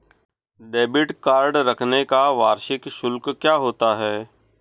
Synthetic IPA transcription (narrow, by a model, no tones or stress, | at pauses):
ɖeːbɪʈkaːɾɖɾɐkʰnekaʋaːɾʃɪkʃʊlkkjaːɦoːt̪aɦɛː